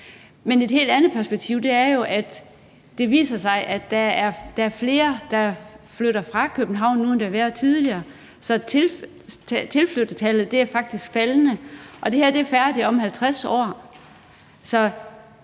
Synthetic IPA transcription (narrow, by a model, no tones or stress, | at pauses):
mene̝d̥he̝̰ːld̥ænð̩ˠpʰæɐsb̥eɡ̥̚t͡sʰiʊd̥e̝æɐjo̝ʔæd̥ː | e̝ʋḭːsɐsɑ̈ɪʔæd̥æ̈æɐd̥æːɐfle̝ːɐd̥ɑ̈fløɾɐfʁɑ̈kʰøb̥n̩ɦɑ̈ʊ̰nːuːndeæʋæɐt͡sʰið̞ˠliɐː | sɒ̽t͡sʰ | t͡sʰe̝lflød̥ət͡sʰælð̩ˠd̥e̝æɐfɑ̈ɡ̥̚d̥isɡ̥fælnəʔɒ̽d̥e̝hæɐ̰d̥e̝æɐfæɐd̥iɒ̽mɦælt͡sʰʁasɒ̰ː | sɒ̽